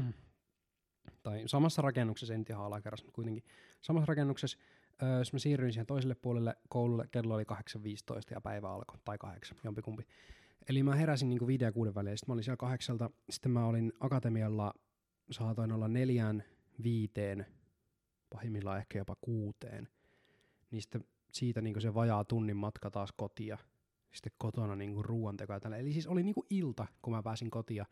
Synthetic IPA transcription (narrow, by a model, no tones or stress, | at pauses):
t̪ɑisɑmɑsːɑrɑkenːuksesent̪ihɑɑlɑkerːɑsmut̪̚kuijt̪eŋki | sɑmɑsrɑkenːukses | øːjosmæsiːrːyinsihent̪o̞is̬elːeppuolelːekowlulːekːelːoolikɑheksɑʋʋiːst̪o̰ist̪ɑjɑ̰pæ̰iʋæɑ̰lko̥t̪ɑikɑ̰heksɑ̥njompikumpi | ʔelimæheɾæsinniːŋkuʋiːdejɑkuːdeʋːælilːsi̥t̪mæolinsielkɑheksɑlt̪ɑsi̥t̪ːemæolinɑkɑt̪emiɑlːɑ | sɑːt̪oinolːɑnneljæn | ʋiːt̪eːn | pɑhemːilːɑehkæjopɑkuːt̪ḛːn | ninsi̥t̪ːe | siːt̪æniːŋkuseʋɑjɑt̪unːimːɑt̪kɑt̪ɑːskot̪iɑ | si̥t̪ːekkot̪onɑniːŋkurruːɑnt̪ekojɑt̪ælːæelisiːsoliniːŋkuʔilt̪ɑkumæpæːsiŋkot̪iɑ